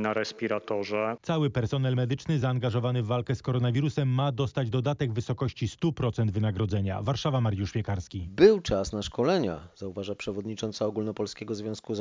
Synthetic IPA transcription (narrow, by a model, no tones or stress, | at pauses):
naɾɛspʲiɾat̪ɔʐɛt̪sawɘpɛɾsɔnɛlmɛd̪ɘt͡ʂnɘzaːŋɡaʐɔvanɘvːalkɛskɔɾɔnavʲiɾusɛmːad̪ɔst̪ad͡ʑd̪ɔd̪at̪ɛɡvɘsɔkɔɕt͡ɕist̪upɾɔt̪sɛnd̪vɘnaɡɾɔd̪zɛɲa̰vaɾʂavamaɾjuʂpʲjɛkaɾskʲibɘwt͡ʂasnaʂkɔlɛɲa̰zauvaʐapʂɛvɔd̪ɲit͡ʂɔnt̪saɔɡulnɔpɔlskʲɛɡɔzvʲjɔ̃w̃skuz